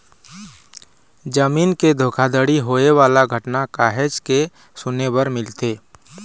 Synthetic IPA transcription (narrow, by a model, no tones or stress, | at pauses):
d͡ʒəmiːnked̪ʱoːkʰad̪əɽiɦoːewaːlaɡʱəʈnakaːɦed͡ʒke | sʊnebəɾmɪlt̪eː